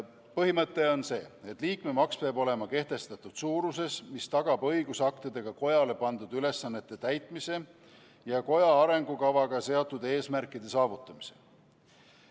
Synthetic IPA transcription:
pɤɦimɤt̪ˑːe̞o̞nse̞ːet̪ːˑliːkme̞mɑkspeɑːbo̞le̞mɑke̞ht̪e̞st̪ɑt̪ːud̪̥suːɾus̬e̞smist̪ɑɡ̥ɑbɤjɡ̥usɑkt̪id̪̥e̞ɡ̥ɑko̞jɑle̞pɑnd̪̥ud̪̥yle̞sːɑnːet̪ːe̞t̪æjt̪ˑmise̞ | jɑko̞jɑɑɾe̞ŋɡ̥ukɑvɑɡ̥ɑse̞ot̪ːˑud̪e̞ːsmærkːˑid̪̥e̞sɑːvut̪ːˑɑmi̥se̞̥

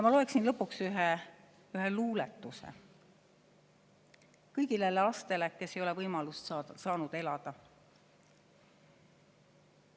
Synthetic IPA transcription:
jɑmɑlo̞e̞ksinlɤ̞pːuksyɦe | yɦeluːlet̪ːˑusḛ | kɤjɡileleɑst̪e̞leke̞sejo̞levɤjmɑlust̪sɑːnud̪̥e̞lɑd̪̥ɑ

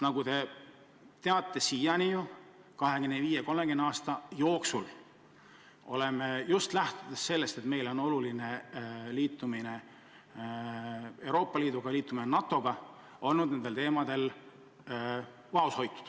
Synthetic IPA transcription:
nɑɡ̥ut̪e̞ | t̪e̞ɑt̪ːˑesijɑniju | kɑɦe̞ɡ̥enːeviːje̞ko̞lmeɡeneɑːst̪ɑjo̞ːksul | o̞̰le̞mejust̪læht̪ud̪̥esse̞lːe̞st̪et̪me̞jlo̞no̞luline̞liːt̪ˑːumine̞ | e̞wɾo̞ːpːˑɑliːd̪uɡ̥ɑliːt̪ːˑuminenɑt̪ːˑo̞ɡ̥ɑ | o̞lnud̪̥̚ne̞nd̪elt̪e̞ːmɑd̪̥e̞l | vɑusho̞jt̪ːˑu̥d̪̥

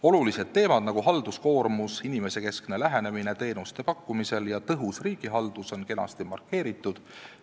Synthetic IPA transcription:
o̞lulise̞d̪̥̚t̪ːe̞ːmɑd̪̥nɑɡ̥uɦɑld̪usko̞ːɾmusinime̞se̞ke̞skne̞læɦe̞ne̞mine̞t̪e̞ːnust̪e̞pɑkːumise̞ljɑt̪ɤɦusriːɡ̥iɦɑld̪̥uso̞nke̞nɑ̰st̪imɑ̰rkːˑe̞ːɾit̪ˑːud̪̥

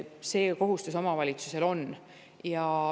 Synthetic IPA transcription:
se̞ːko̞ɦust̪uso̞mɑvɑlʲit̪suse̞lo̞n | jɑ

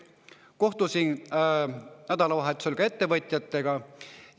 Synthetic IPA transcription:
ko̞ht̪usin | næd̪̥ɑlɑvɑɦet̪ːˑu̥selkɑe̞t̪ːe̞vɤt̪ʲˑjɑt̪ːˑe̞ɡ̥ɑ

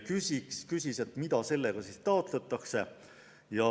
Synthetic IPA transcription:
kysʲikskysʲiset̪mid̪̥ɑse̞lːe̞ɡ̥ɑsist̪ɑot̪ˑlet̪ːˑɑkse̞ | jɑ

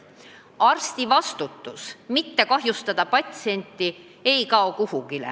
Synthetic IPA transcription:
ɑrst̪ivɑst̪ut̪ːˑusmit̪ːe̞kɑɦjust̪ɑd̪̥ɑpɑt̪ʲsie̞nʲt̪ːˑi | e̞jkɑokuhuɡilḛ

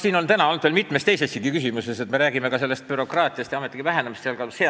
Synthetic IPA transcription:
siːno̞nt̪ænɑolnd̪velmit̪mest̪ejsesːikɡikysimuse̞se̞t̪me̞ɾæːɡime̞kɑse̞lːe̞st̪pyɾo̞krɑːt̪ˑiɑst̪jɑɑmet̪ːˑikivæɦenemist̪seɑlkɑlshe

